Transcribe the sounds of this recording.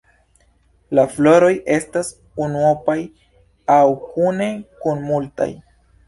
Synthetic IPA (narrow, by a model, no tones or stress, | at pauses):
laflo̞ɾo̞je̞stas | unuopaj | awkune̞kunmulta̰j